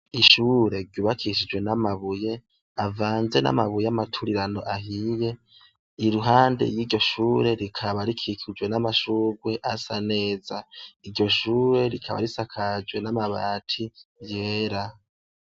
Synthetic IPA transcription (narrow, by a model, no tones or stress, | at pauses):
iʃuɾe̞ɾɟuβakʰiʃid͡ʒwe̞namaβuje̞ | avaːnze̞na̰maβujeamatʰuɾiɾano̞ʔaɦije̞ | iɾuɦaːnde̞̰jiːɟo̞ʃuːɾe̞ɾikʰaβaɾikʰikʰid͡ʒwe̞namaʃuːɡwe̞ʔasane̞ːzaiɾɟo̞ʃuːɾe̞ɾikʰaβa̰ɾisakʰad͡ʒɡwe̞namaβa̰ːtʰije̞ːɾa